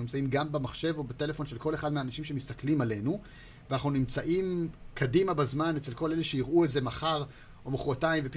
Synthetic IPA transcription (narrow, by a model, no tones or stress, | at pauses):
nimt͡saimɡambemaχʃe̞vo̞bete̞le̞fo̞nʃe̞lko̞leχad̪meaːnaʃimʃe̞mistaklimale̞nu | veanaχnunimt͡saʔimkʰadimabazmanet͡se̞lko̞le̞leʃeiʁʔueze̞maχaʁ | o̞moχʁotaimvep